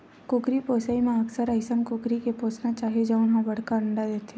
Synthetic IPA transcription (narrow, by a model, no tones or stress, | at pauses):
kʊkɾipoːsaːimẽɐksəɾəɪsəmkʊkɾikepoːsnat͡ʃaːɦied͡ʒoʊnɦãbɐɽ̤kaəɳɖad̪eːt̪e